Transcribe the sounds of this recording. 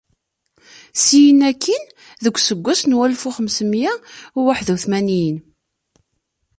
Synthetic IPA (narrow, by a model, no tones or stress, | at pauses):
sijənːækʰːin | ðəɡʷːsəɡʷːæsnwælfuχəmsəmjæwaħðuθmænijən